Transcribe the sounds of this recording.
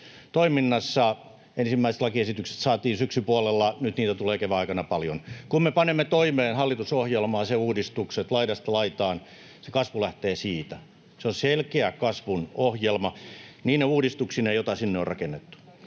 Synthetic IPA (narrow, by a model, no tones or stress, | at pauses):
t̪oiminːɑsːɑ | ensimːæisĕ̥t̪lɑkiesit̪ykse̥t̪sɑːt̪iːnsyksypuɑlelːɑnyt̪niːt̪æt̪uleːkeʋæɑikɑnɑpɑljo̰nkummepɑnemːet̪oimeːnhɑlːit̪usohjelmɑːseuːdist̪ukset̪lɑidɑst̪ɑlɑit̪ɑːn | sekɑsʋulæht̪eːsiːt̪æ | seonselkeækɑsʋunohjelmɑniːnneuːdist̪uksinejot̪ɑsinːeorɑkenːet̪ːu̥